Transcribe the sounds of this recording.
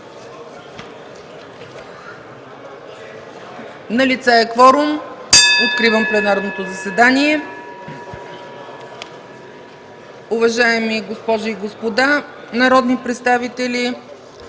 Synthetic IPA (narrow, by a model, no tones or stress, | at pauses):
nɐlit̪sɛɛkvɔɾomot̪̚kɾivəmplɛnaɾnot̪ozɐsɛd̪aniɛ | ʊvɐʒaɛmiɡospɔʒiɡospod̪a | nɐɾɔd̪nipɾɛt̪st̪avit̪ɛli